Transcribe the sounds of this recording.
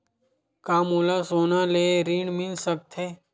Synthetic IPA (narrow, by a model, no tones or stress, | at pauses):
kaːmoːlasoːnaleːɾiːɳmɪlsək̚t̪ʰeː